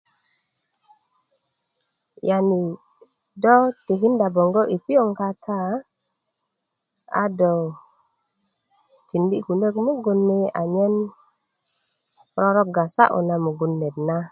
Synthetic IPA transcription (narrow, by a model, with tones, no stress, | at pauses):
ja˨ni˨ | do˦ti˨ɦi˦nda˨bo˨ŋɡo˦ʔi˨pi˦o˦˨ŋka˦tʰa˦ | a̰˦do˨ | ti˨ndi˦ku˨ndə˦kmu˦ɡu˨nmi˦a̰˨ɲe˦n | ɾo˦ɾo˦k̚ɡa˨sa̰˦ʔo̰˨na˨mu˨ɡu˦nːe˨tna˦